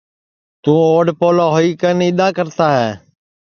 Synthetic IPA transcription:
t̪ũːoːɖpoːlaːɦoːiːkənɪɗ̪aːkəɾt̪aːɦɛː

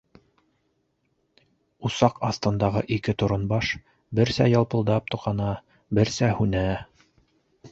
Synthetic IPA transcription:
usɑqɑst̪ɤ̆nd̪ɑʁɤʔikɘt̪ŏɾŏnbɑʃ | bɘɾsæ̰jɑlˠpɤ̆lˠd̪ɑp̚t̪ŏqɑnɑ | bɘɾsæhʉnæ

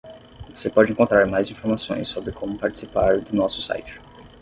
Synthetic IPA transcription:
vosepɔd͡ʒɪẽŋkõnt̪ɾaɾmajzĩfoɾmasõ̰j̃sːobɾɪkʰõmʊpaɾt͡ʃɪ̥sipaɾd̪ʊnɔsʊ̥sa̰jt͡ʃɪ̥

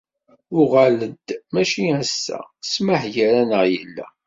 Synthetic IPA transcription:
ʊʁæləd̪mæʃiæsːæ̰sməħjəɾænəʁjə̰lːæ̰

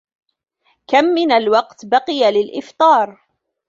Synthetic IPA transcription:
kamːɪnalwɑqt̪bɑqɨjalɪlʔɪft̪ˤɑːɾˤ

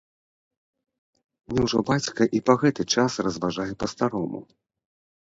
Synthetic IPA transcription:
mnʲɛwʐɔbat͡sʲkɐʔipɐɣɛt̪ɨt͡ʂasrɐzvaʐajɛpɐst̪aɾɔmṵ

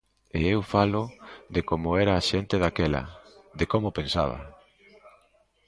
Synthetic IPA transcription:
ḛewfalʊðekomʊɛɾaːʃent̪ɪðakɛlɐ̰ðekomopensa̰β̞ɐ̰

